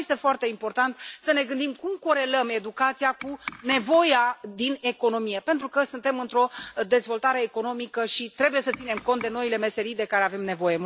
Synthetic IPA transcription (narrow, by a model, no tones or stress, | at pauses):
jest̪e̞foart̪e̞impo̞rt̪ant̪səne̞ɡɨnd̪imkumko̞ɾe̞ləme̞d̪ukat̪sijakune̞vo̞jad̪ine̞ko̞no̞mije̞pe̞nt̪ɾukəsɨnt̪e̞mɨnt̪ɾo̞d̪e̞zvo̞lt̪aɾe̞ːko̞no̞mikəʃit̪ɾe̞buje̞sət̪sine̞mko̞nt̪d̪e̞no̞ile̞me̞se̞ɾijd̪e̞kaɾe̞ave̞mne̞vo̞je